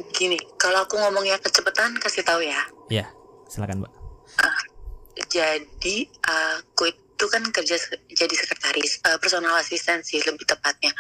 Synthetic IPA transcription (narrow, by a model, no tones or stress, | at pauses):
ɡinɪkaloakuŋɔmɔŋɲakət͡ʃəpət̪ankasɪht̪aujajasilakanba̰ʔə | d͡ʒadiʔəkoɪt̪̚t̪ukankərd͡ʒasəd͡ʒadisəkərt̪aɾɪsəːpərsonalasist̪ɛnsɪhləbɪht̪əpat̪̚ɲa